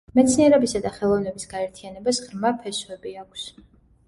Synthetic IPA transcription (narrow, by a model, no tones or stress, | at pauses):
mɛt̪sʰniɛɾɛbisad̪aχɛlˠɔvnɛbisɡ̥aɛɾt̪ʰianɛbasʁɾmapʰɛswɛbiakʰs